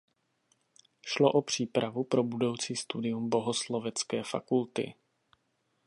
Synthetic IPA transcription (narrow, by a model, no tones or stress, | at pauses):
ʃlo̞ʔopr̝̥iːpɾavupɾo̞budo̞wt͡siːst̪udɪjumbo̞ɦoslo̞vɛt͡skɛːfa̰kult̪ɪ̰